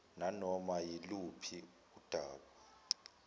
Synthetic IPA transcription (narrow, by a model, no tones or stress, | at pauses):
nanɔmajilupʰi | ud̥ʱaːɓa